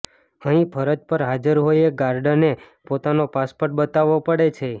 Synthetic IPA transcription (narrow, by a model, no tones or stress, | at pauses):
əɦĩpʰəɾəd͡ʒpəɾɦad͡ʒəɾɦoieɡaɾɖəne | pot̪anopaspoɾʈ̚bət̪aʋopəɽet͡ʃʰe